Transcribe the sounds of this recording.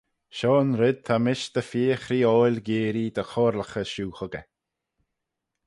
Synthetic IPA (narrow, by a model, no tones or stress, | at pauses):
ʃɔːnɾɪd̪̚t̪ʰamɪʃd̪̥əfiːxɾiːɔjlʲɡiːɾid̪əxɔːɾləxəʃuːxəɡə